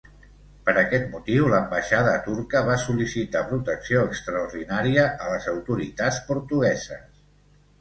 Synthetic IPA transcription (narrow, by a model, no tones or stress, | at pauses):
pəɾəkɛt̪mut̪iwləmbəʃaðət̪uɾkəβasulisit̪apɾut̪əksioəkst̪ɾəuɾðinaɾiəʔələzəwt̪uɾit̪at͡spuɾt̪uɣɛzəs